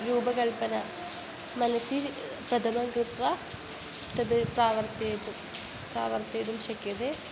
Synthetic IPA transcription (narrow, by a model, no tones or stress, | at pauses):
ɾuːbɐkɐɭpɐnɐ | mɐnɐsi | prɐd̪ʱɐmɐŋkrɨt̪ʋɐ | t̪ːɐðɨpraːʋɐrt̪ɐt̪u | praːʋɐrt̪ɐjðumɕɐkːjɐðe